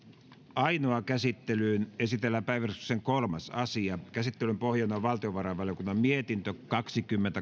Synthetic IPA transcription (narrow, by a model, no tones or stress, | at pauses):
ɑinoɑkæsit̪ːelyːnesit̪elːæpæiʋærsukseŋkolmɑsɑsiɑkæsit̪ːelympohjɑnːɑʋʋɑlt̪ioʋɑrɑʋɑlj̆okunːɑmmiet̪int̪økɑksikymːent̪æ